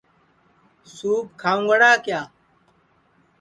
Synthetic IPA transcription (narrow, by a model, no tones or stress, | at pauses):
suːb̚kʰaːũɡɐɽaːkjaː